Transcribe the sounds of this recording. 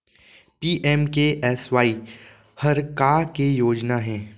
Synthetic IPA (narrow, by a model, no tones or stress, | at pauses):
piːʔɛːmkeʔɛːsʋaːi | hɐɾkaːkejoːd͡ʒnaɦɛ̃ː